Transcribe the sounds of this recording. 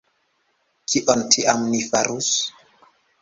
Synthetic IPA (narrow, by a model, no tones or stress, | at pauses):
kʰiʔontʰiʔamnifaɾus